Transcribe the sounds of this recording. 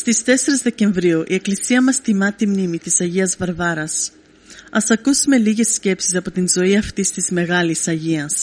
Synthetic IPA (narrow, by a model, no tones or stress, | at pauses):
st̪ist̪e̞se̞ɾizðe̞ce̞ɱvɾiuʔie̞klisiɐmɐst̪imɐt̪imnimit̪isɐʝiɐzvɐɾvɐɾɐs | ɐsɐkusume̞liʝe̞sce̞psi̥sɐpo̞t̪inzo̞iɐft̪ist̪izme̞ɣɐlisɐʝiɐs